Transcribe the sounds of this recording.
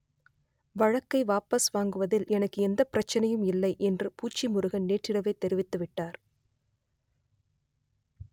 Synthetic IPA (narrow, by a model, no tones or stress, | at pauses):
ʋɐɻɐkːɐɪʋaːpɐsʋaːŋɡɯʋɐðɪlɛnɐkːɯɛnd̪ɐpɪɾɐt͡ʃːɐnɐjɯmɪlːɐɪʔɛndrɯpuːt͡ʃːimʊɾɯɣɐnneːʈrɪɽɐʋeːt̪ːɛɾɪʋɪt̪ːɯʋɪʈːaːɾ